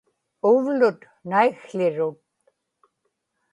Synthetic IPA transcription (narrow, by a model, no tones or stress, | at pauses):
ʊvlʊt̪ | najxɬɪɻʊt̪̚